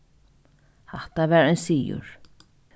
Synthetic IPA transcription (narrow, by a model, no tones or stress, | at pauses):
haht̪avɛːɾɛnsiːjʊ̰ɹ̥